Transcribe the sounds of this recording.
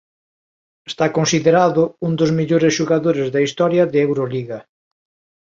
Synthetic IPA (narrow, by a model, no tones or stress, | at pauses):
est̪akonsiðeɾaðʊund̪ozmeʎoɾesʃuɣaðoɾezðɐist̪ɔɾjɐðɪewɾoliɣɐ